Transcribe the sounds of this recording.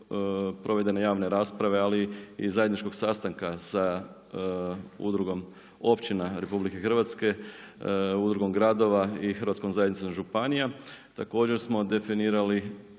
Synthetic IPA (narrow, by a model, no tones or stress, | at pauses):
pɾʔo̞ʋe̞d̪e̞nejaːʋne̞ɾaːspɾaʋe̞aliizajenit͡ʃko̞ɡ̥sast̪aŋkasa | ṵd̪ɾuɡo̞m | o̞pt͡ɕinaɾepublike̞xr̩ʋat̪ske̞ | ud̪ɾuɡo̞mɡɾad̪o̞ʋaixərɾʋat̪sko̞mzajd̪nit̪omʒupanijat̪ako̞ːd͡ʑe̞ɾsmo̞d̪e̞finiːɾali